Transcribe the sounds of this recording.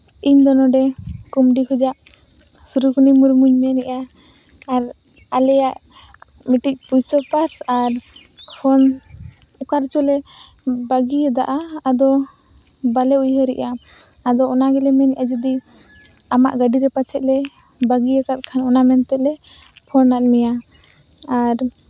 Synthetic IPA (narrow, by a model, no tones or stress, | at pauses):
iɲd̪ɔnɔɖɛkumɖiɦud͡ʒaʔ | suɾukunimuɾmuɲmɛnɛʔaː | ɾ | alɛjaʔ | miʈic̚ˀpujsɔpaɾsaɾhʰɔn | ɔkaɾt͡ʃɔlɛ | baɡiəd̪aʔaːd̪ɔ | balɛujɦəɾɛ̰ʔaː | d̪ɔɔnaɡɛlɛmɛnɛ̰ʔad͡ʒɔd̪i | ama̰ʔɡaɖiɾɛpat͡ʃʰɛʔ̪̚lɛ | baɡiakat̪̚kʰanɔnamɛnt̪ɛʔlɛ | pʰɔnːaʔ̪̚nɛja | aɾ